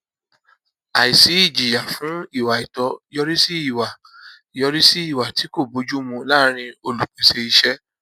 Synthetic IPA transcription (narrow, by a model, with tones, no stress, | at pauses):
a˨i˨si˨˦i˦˨d͡ʒi˨ja˨fũ˨˦i˦˨wa˨i˨tɔ˧jɔ˧ɾi˦si˦i˦˨wa˨ | jɔ˧ɾi˦si˦i˦˨wa˨ti˨˦ko˦˨bo˨˦d͡ʒu˦mũ˧la˦ɾ̃ĩ˧o˧lu˨k͡pe˨se˧i˧ʃɛ˦